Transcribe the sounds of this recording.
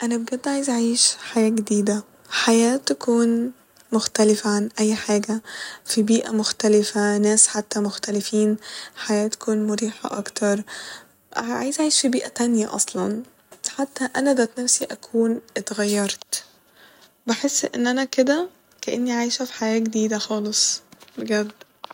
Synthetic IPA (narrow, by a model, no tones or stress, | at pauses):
ʔænæbeɡæd̪ːʕaːjezʕʕiːʃħajæːɡed̪iːd̪æ | ħajæːt̪ækuːn | moxt̪ælɪfæʕanʔæjːħaːɡæfibiːʔæmoxt̪ælɪfænæːsħat̪ːæmoxt̪ælefiːnħajæːt̪æ̥kuːnmoɾiːħɑ̰ʔɑ̰kt̪ʰɑɾˤ | ʕa̰jzʔajeʃfibiːʔæt̪ænjæʔɑ̰sˤlɑn | ħat̪ːæʔænæd̪æt̪næfsiʔækʰuːnʔet̪ɣæjːɑɾˤt̪ | beħesːʔḛnːʔænæked̪æ | kæʔenːiʕaːjʃæfi̥ħajæːɡed̪iːd̪æxɑːlesˤbeɡæd̪